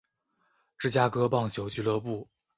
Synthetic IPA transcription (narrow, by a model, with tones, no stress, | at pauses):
ʈ͡ʂɻ̩˥˩t͡ɕja˥kɤ˥pɑ˥˩ŋt͡ɕʰjo˧˥ʊt͡ɕy˥˧lɤ˥˧pu˥˩